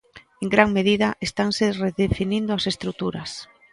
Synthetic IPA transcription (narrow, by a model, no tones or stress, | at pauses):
eŋɡɾaŋmeðiðaʔest̪aŋsereðefinĩnd̪oasest̪ɾut̪uɾas